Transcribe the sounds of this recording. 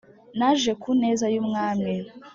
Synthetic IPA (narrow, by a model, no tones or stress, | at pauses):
naʒekune̞ːzajuːmŋaːmɲe